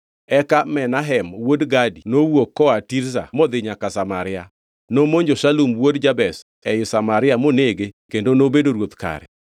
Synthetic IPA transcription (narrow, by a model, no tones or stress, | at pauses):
ɛkamɛnaɦɛmwodɡadinowokːɔatiɾsa̰mod̪ɪɲakasamaɾɪa | nomoɲd͡ʒoʃalumwodd͡ʒabɛs | ɛjʊsamaɾɪjamoneɡekendonobedoɾwot̪ka̰ɾɛ̰